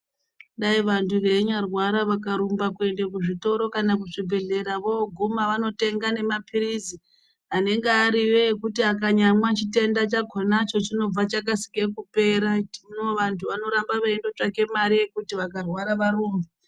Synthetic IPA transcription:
ɗaiʋantuʋe̞ɲarwaɾaʋakaɾumbakue̞nde̞kuʐito̞ɾo̞kanak̬uʐibʱe̞ɮe̞ɾaʋo̞ɡʱumaʋano̞te̞ŋɡane̞mapʰiɾizi | ɦane̞ŋɡeaɾiweːkutiakaɲamwat͡ʃite̞ndat͡ʃaɡʱonat͡ʃo̞t͡ʃino̞b͡vat͡ʃakasi̥ke̞kupe̞ɾatinoʋantʰuʋano̞ɾambaʋaendo̞t͡ʂake̞maɾije̞kutiʋakarwaɾaʋaɾuːmba

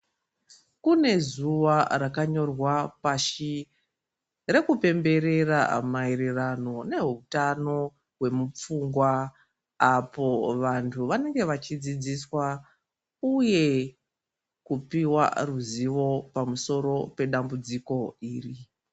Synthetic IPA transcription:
kune̞zuʋarakaɲo̞rwapaʃi | re̞kupe̞mbe̞ɾe̞ra̰maiɾirano̞ne̞ɦutano̞ | we̞mup͡fuŋɡwa | apo̞ʋantʰuʋane̞ŋɡe̞ʋat͡ʃid͡zid͡ziswa | uje̞ | kupiwa̰ruziʋo̞pamuso̞ɾo̞pe̞ɗambud͡ziko̞iːri

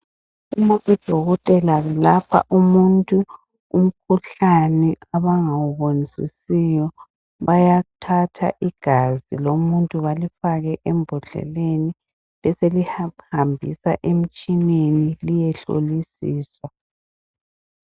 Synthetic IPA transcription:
umaʔid̥ʱɔɣɔtʼɛlaβɛlapʰa̰ʔumuntʼu | um̩kʰuɬanɛaβaŋawuβonisḭsijɔ | βajatʰatʰa̰ʔiɡ̥ʱazilomuntʼuβalifaɣɛʔɛmbʱɔɮɛ̰leni | βɛselihhambʱḭsa̰ʔem̩t͡ʃʼinenilijɛɬo̰lisiːswa

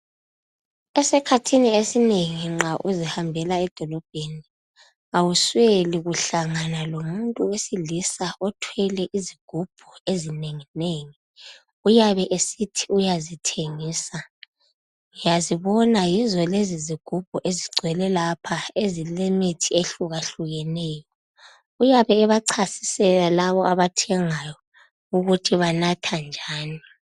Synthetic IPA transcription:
ɛsɛkʰatʰiniesineŋiŋ͡ǁaʔuzihambʱɛlaɛd̥ʱɔlɔb̥̚ʱeni | awusweliɣuɬaŋanalomuntʼuwesilisaʔɔtʰwɛlɛʔiziɡ̥ʱub̥ʱuezineŋineŋi | ujaβɛʔesitʰi̥ujazitʰeŋiːsa | ujaziβɔnajizwɛleziziɡ̥ʱub̥ʱuʔeziɡ͡ǀʱwɛlɛlapʰaezilemitʰieɬuɣaɬuɣɛnɛːjɔ | ujaβɛːβaǀʰasi̥sɛlalaβɔʔaβatʰɛŋajɔ | uɣutʰiβanatʰand͡ʒʱaːni

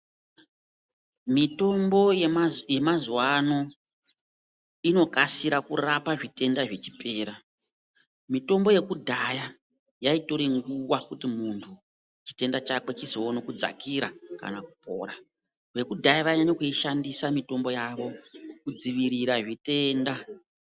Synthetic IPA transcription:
mito̞mbo̞je̞mazwano̞ | ino̞kasiɾakṵrapaʐite̞ndaʐe̞t͡ʃipʰe̞ːɾa | mito̞mbo̞je̞kudʱaja | jaito̞ɾeŋɡuwakutimuntʰu | t͡ʃi̥te̞ndat͡ʃake̞t͡ʃizoonokud͡za̰kiɾaka̰nakupo̰ːɾa | ʋe̞kudʱajaʋaɲaɲokuiʃandisamito̞mbo̞jaʋo̞kud͡ziʋiɾiɾaʐite̞ːnda

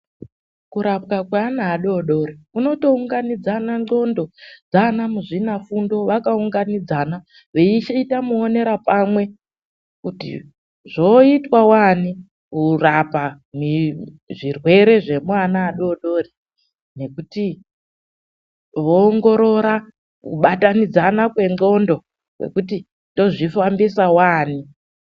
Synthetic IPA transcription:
kuɾapkakwaːnaːɗo̞ɗo̞ɾiuno̞to̞uŋɡanid͡zanaŋ͡ǃo̞ndo̞d͡zanamuʐinafundo̞ʋakauŋɡanid͡zana | ʋeit͡ʃaitamuone̞ɾapamwe̞ | kutḭ | ʐoitwawani | kurapa | mi | ʐirwe̞ɾe̞ʐe̞mwanaːɗo̞ɗo̞ːri | ne̞kuti | ʋoːŋɡo̞ɾo̞ɾa | kṵɓatanid͡zanakwe̞ŋɡo̞ndo̞ | wwḛkuti | to̞ʐifambisawaːni

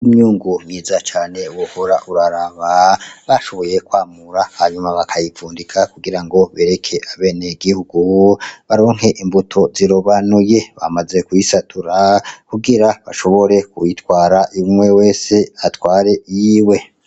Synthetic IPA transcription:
umɲuːŋɡumɲiːzat͡ʃaːne̞uwohoɾaʔuɾaɾaβaβaʃo̞βo̞je̞kwaːmuɾahaɲumaβakʰajifuːndikʰakuɡiɾaŋɡo̞βe̞ːɾe̞kʰe̞ʔaβe̞ːneɡihuɡuβaɾo̞ːŋ̥he̞ʔimbutʰo̞ziɾoβanuje̞βa̰maze̞kuisatʰuɾakuɡiɾaβaʃo̞βo̞ɾe̞kujitwaːɾaʔiumwe̞we̞ːseatwaːɾe̞jiːwe̞

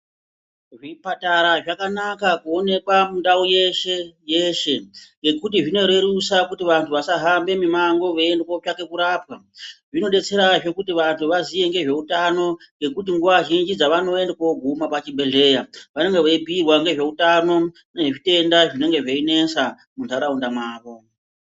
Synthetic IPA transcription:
ʐipataɾaʐakanakakuo̞ne̞kwamundauje̞ʃeje̞ʃe̞ŋɡe̞kut̬iʐino̞ɾe̞ɾusakutiʋantʰuʋasaɦambe̞mimaŋɡo̞ʋendekot͡ʃake̞kuɾaːpwa | ʐino̞ɗe̞t͡se̞ɾaʐo̞kutiʋantʰuʋazije̞ŋɡe̞ʐe̞utano̞ŋɡe̞kut̬iŋɡuʋaʒind͡ʒid͡zaʋano̞endekoɡʱumapat͡ʃibʱe̞ɮe̞ːjaʋane̞ŋɡe̞ʋeibʱirwaŋɡe̞ʐe̞utano̞ | neʐeʐite̞ndaʐine̞ŋɡe̞ʐeine̞sa | muntaɾaundamaːʋo̞

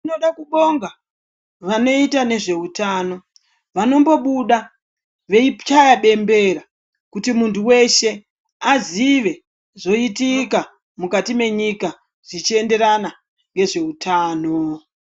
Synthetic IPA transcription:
inoɗakuɓo̞ŋɡa | ʋano̞itane̞ʐe̞utaːno̞ | ʋano̞mbo̞ɓuɗa | ʋe̞ipt͡ʃajaɓe̞mbe̞ɾa | kutimuntʰuwe̞ʃe̞ | aziʋe̞ | ʐo̞itika | mukatime̞ɲika | ʐ̥it͡ʃie̞nde̞ɾana | ŋɡe̞ʐe̞utʰaːno̞

